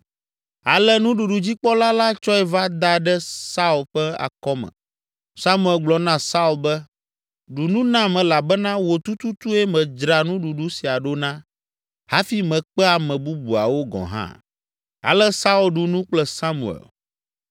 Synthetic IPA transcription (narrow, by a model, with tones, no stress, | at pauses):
a˨lɛ˦nũ˦ɖu˨ɖu˨d͡ʑi˦k͡pɔ˦la˦la˦t͡ʃɔ˦ɛ˦va˦d̪a˦ɖɛ˦sa˦u˨lɸɛ˦a̰˨kɔ˦mɛ̰̃˨ | sa˦mũ˦˨ɛ˨lɡ͡blɔ˨nã˦sa˦u˨lbɛ˦ | ɖu˨nũ˦nã˦mɛ̃˨la˨bɛ˦nã˦wo˨t̪u˦t̪u˦t̪u˦ɛ˦mɛ̃˨d͡ʒɾa˨nũ˦ɖu˨ɖu˦si˨a˨ɖo˦nã˦ | ha˦fi˦mɛ̃˨k͡pɛ˦a˨mɛ̃˨bu˦bu˨a̰˨wo˦ɡɔ̰̃˨ɦã̰˦ | a̰˨lɛ˦sa˦u˨lɖu˨nũ˦k͡plɛ˦sa˦mṵ˨ɛ̰˨l